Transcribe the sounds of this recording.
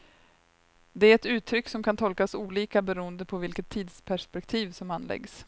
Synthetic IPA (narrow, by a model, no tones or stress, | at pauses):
d̪ɛæɾɛt̪ʉ̟ːt̪ʰːɾʏkːsɔmkʰant̪ʰɔlkasuːliːkabɛɾuːənd̪əpʰɔvɪlkət̪ʰːiːd̪spʰæʂpɛkt̪ʰiːvsɔmanːlɛ̰ɡs